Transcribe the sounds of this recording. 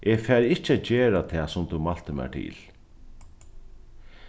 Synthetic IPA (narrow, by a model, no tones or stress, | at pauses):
ʔefɛːɾɪht͡ɕːəæːt̪d͡ʑeːɾat̪ʰɛːsʊmt̪umalt̪əmɛ̰ʈ̪ʰɪ̰ːl